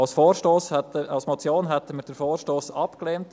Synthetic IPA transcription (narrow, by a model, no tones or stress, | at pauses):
ɑlsfoːɾʃtoːshɛtəɑlsmɔt͡sjoːnɦɛtəməɾd̥əɾfoːɾʃtoːsɑpkleːnt